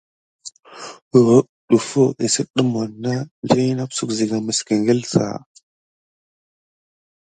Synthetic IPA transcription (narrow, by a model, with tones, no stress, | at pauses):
u˨ɣo˦ | ɗu˨fo˦i˨sə˦ɗə˦m˨a˨nːa˦ɮi˦na˦psu˦kzi˨ɡa˨mə˨skə˨ŋɡə˦lsa̰˨